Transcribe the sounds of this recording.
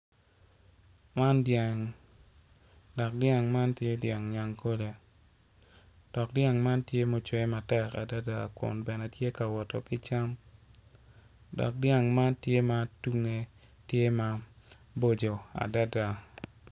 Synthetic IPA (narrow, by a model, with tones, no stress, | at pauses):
ma˦nda˨ŋ | dɔ˨k̚dja˦˨ŋma˦ntje˦dja˨ŋɲa˨ŋkʰo˦le˨ | d̥ɔ˨k̚dja˦ŋma˦ntje˦mo˨t͡ʃwɛ˦ma˨tɛ˨ka̰˨da˦da˨kʊ̰˨nbɛ˨nɛ˨tje˦ka˨wɔ˨tɔ̰˨kɪ˦t͡ʃa˦m | dɔ̰˨k̚dja˦ŋma˦ntje˦ma˨tu˦ŋe˦ | tje˦ma˦ | bo˦d͡ʒo˨a̰˨da˦da˨